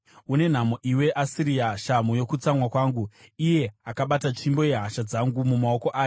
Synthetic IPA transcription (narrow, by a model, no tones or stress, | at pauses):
une̞n̤amoʔiwe̞ʔasiɾiaʃamujo̞kut͡samwakwaːŋɡuije̞akaɓatat͡ʃimbo̞je̞ɦaʃad͡zaŋɡumumao̞ko̞ʔaːjo